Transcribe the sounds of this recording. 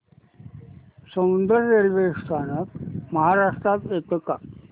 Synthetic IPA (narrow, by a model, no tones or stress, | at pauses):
səmund̪əɾːeɾʋest̪ʰanək̚məɦaɾaʂʈɾat̪et̪əka